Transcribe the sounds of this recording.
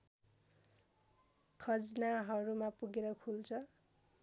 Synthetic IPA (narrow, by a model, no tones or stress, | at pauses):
kʰʌd͡znaɦʌɾumapuɡeɾʌkʰult͡sʰʌ